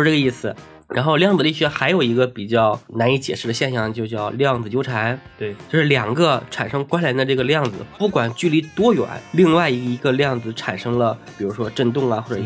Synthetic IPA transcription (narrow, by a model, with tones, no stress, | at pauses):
ʈ͡ʂɤ˥˩ɡə˧i˥˩sɹ̩˩ | ɻʔa̰˧˥nxo˥˧ʊljɑ˥˩˧ŋd͡zɹ̩˩li˥˩ɕɥɛ˧˥xa˧˥ɪjo˨˩ʊi˧˥ɡə˧pi˨˩t͡ɕjɑ˥˩ʊna˧˥ni˧˥t͡ɕjɛ̰˨˩ʂɻ̩˥˩d̪ə˩ɕjɛ˥˧nɕjɑ˥˧˩ŋt͡ɕjʊt͡ɕjɑ˥˧ʊljɑ˥˩ŋd͡zɹ̩˩t͡ɕjo˥ʊʈ͡ʂʰa˧˥n˥˩ | t͡ɕjo˥˧ʂɻ̩˥˩ljɑ˨˩ŋɡə˦ʈ͡ʂʰa̰˨˩nʂɤ˥ŋkwa˥nljɛ˧˥nd̪ə˧ʈ͡ʂɤ˥˩ɡə˩ljɑ˥˩ŋd͡zɹ̩˨˩pu˥˩kwa˨˩nt͡ɕy˥˩li˧˥t̪wɔ˥ɥɛ̰˨˧˩nli˥˧ŋwa˥˩ɪ˧˥i˧˥ɡə˧ljɑ˥˩ŋd͡zɹ̩˩ʈ͡ʂʰa˨˩nʂɤ˥ŋlə˧pi˨˩ɻu˧˥ʂwɔ˥ʈ͡ʂə˥˧nt̪ʊ˥˩ŋa˩xwɔ˥˩ʈ͡ʂə˨˩